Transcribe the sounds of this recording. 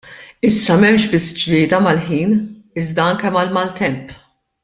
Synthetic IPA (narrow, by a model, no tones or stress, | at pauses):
ɪsːɐmɛmʃbɪsːd͡ʒlɪːd̪ɐmɐlħiːn | ɪzd̪ɐɐŋkɛmɐlmɐlt̪ɛmp